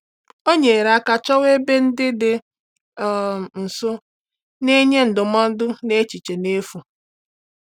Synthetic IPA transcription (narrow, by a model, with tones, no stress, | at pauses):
o˦ɲe˨ɾa˦ka˨t͡ʃɔ˦we˦be˦n̩˦dɪ˦dɪ˨ | n̩˨sʊ˦ | ne˦ɲe˦n̩˨dʊ˨mɔ˦n̩˦dʊ˦ne˦t͡ʃi˨t͡ʃe˨ne˦fu˨